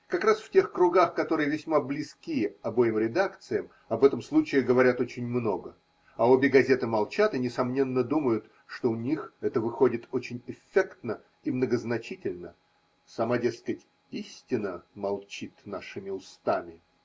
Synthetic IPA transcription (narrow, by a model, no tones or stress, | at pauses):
kɐkɾasftʲe̞xkɾʊɡaxkɐt̪o̞ɾɨjəvʲɪsʲmablʲɪskʲiɐbo̞jɪmɾʲɪd̪akt̪sɨjəm | ɐbɛt̪əmslˠut͡ɕɪɪɡəvɐɾʲat̪o̞t͡ɕɪnʲmno̞ɡə | ɐo̞bʲɪɡɐzʲe̞t̪ɨmɐlˠt͡ɕat̪ɨnʲɪsɐmnʲe̞nːəd̪uməjʊt̪ | ʂt̪o̞ʊnʲixɛt̪əvɨxo̞dʲɪt̪o̞t͡ɕɪnʲɪfʲːekt̪nə | imnəɡəznɐt͡ɕitʲɪlʲnə | sɐmadʲeskətʲ | isʲtʲɪnəmɐlˠt͡ɕit̪naʂɨmʲɪʊst̪amʲɪ